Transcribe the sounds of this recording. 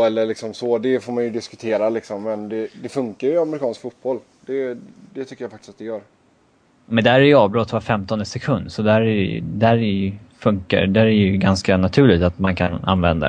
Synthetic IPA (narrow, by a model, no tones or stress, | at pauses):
ɛlːəɭɪksɔmsɔd̪ɛfoːɾmanjɵd̪ɪskɵ̥t̪ʰeːɾalɪksɔmːɛnd̪ɛd̪ɛfɵŋkaɾjamɛɾɪkʰɑːnskfut̪̚bɔlː | d̪̥ɛd̪ɛt̪ʰʏkːəjaːfak̚t̪ɪ̥sat̪d̪ɛjœːɾ | mɛnd̪æɾæjɵɑːvbɾɔt̪ːvafɛmt̪ɔnd̪əsɛkʰɵnd̪sɔd̪æɾæ̰d̪æɾɛjfɵŋka̰d̪æɾæjɵɡanskanat̪ʰʉ̟ːɭɪɡt̪at̪mankʰana̰nvɛ̰nd̪a̰